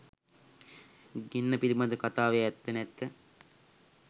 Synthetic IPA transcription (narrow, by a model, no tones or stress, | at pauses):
ɡinːɐpilimɐd̪əkɐt̪aːʋeɛt̪ːɐnɛt̪ːə